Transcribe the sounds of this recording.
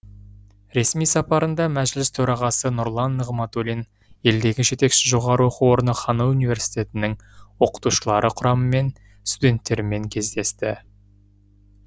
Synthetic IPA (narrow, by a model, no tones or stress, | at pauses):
ɾe̞smijsɑpɑɾənd̪ɑmæʒlɪst̪ʰɵɾɑʁɑsənʊɾlˠɑnːəʁmɑt̪olin | je̞ld̪e̞ɡʲɪʒe̞t̪e̞kʃɪ̥ʒo̞ʁɑɾəwo̞quwo̞ɾənəχɑnəunijvʲe̞ɾsi̥jt̪e̞t̪ɪnɪŋwo̞qə̥t̪uʃəlˠɑɾʔəqʰʊɾɑməme̞n | st̪ud̪ʲe̞nt̪ːe̞ɾɪme̞ŋkʲʰe̞zd̪e̞st̪ɪ